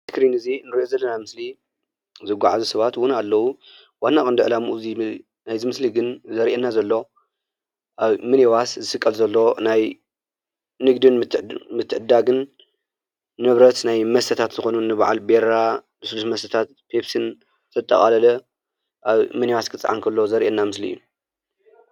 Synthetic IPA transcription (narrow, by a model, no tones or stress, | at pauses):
ɨkɾinɨzinɨɾʔozɐlːɐnamɨsli | zɨɡʷaʕazusɐβat̪wʊnalːɐwu | wanːakʼɨnd̪ɨʕɨlamuʔuzi | najzɨmɨsliɡɨnzɐɾʔenːazɐlːo̞ | ʔaβmɨnewaszɨsɨkʼːɐlzɐlːo̞naj | nɨɡd̪ɨnmɨt̪ʰːɨʕɨd̪ːaɡɨn | ɨβɾɐt̪najmɐst̪ʰɐt̪ʰat̪zɨxo̞nunːɨβʕa̰lbeɾabɨslusmɐst̪ʰɐt̪ʰat̪pʰepsɨn | t̪ʰɐt̪ʼːɐ̰χʼalɐlɐ | ʔaβmɨnewaskʰɨt͡sʼʕa̰nkʰɐlːozɐɾʔenːamɨslḭːu